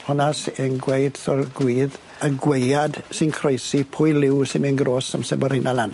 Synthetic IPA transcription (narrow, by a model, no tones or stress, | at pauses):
hɔnasɛnɡwejd̥sɔrɡwiːð | əɡwejad̥sɪnkʰrojsipʰʊɨlɪwsɪnminɡɾoːsəmsɛbəɾɪnʔalan